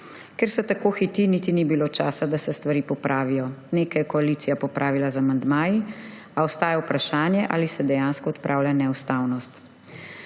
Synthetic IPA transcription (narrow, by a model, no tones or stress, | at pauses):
kɛɾsɛt̪akoːxit̪iniːt̪inibiloːt͡ʃaːsad̪asɛst̪ʋaɾiːpɔpɾʔaːʋijɔneːkajɛkɔaliːt̪sijapɔpɾʔaːʋilazamand̪maːji | aɔst̪aːjɛwpɾaʃaːnjɛʔa̰ːlisɛd̪ɛjaːnskɔːt̪pɾʔaːwlʲjanɛuwst̪aːwnɔst̪